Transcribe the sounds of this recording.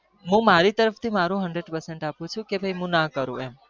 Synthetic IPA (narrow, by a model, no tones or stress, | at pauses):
ɦũmaɾit̪əɾəft̪ʰimaɾũɦəɳɖɾeɖpəɾseɳʈapũt͡ʃʰũkebʱəjɦũnakəɾṵ̃em